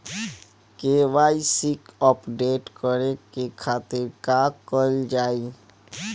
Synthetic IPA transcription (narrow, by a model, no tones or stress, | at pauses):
keʋaːisɪkɔpɖeːʈkəɾekekʰaːt̪ɪɾkakəld͡ʒaːi